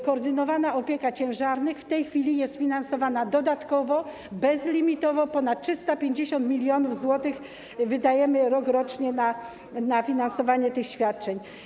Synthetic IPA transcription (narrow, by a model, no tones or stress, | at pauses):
kɔːɾd̪ɘnɔvanaɔpʲjɛkat͡ɕɛ̃w̃ʐaɾnɘxft̪ɛjxfʲilʲijɛst̪fʲinansɔvanad̪ɔd̪at̪kɔvɔ | bɛzlʲimʲit̪ɔvɔpɔn̪at̪̚tʂɘst̪apʲjeɲd͡ʑeɕɔnt̪mʲilʲjɔnuvzwɔt̪ɘx | vɘd̪ajɛmɘɾɔkɾɔt͡ʂɲɛna | nafʲinansɔvaɲɛt̪ɘxɕfʲjat̪̚t͡ʂɛɲ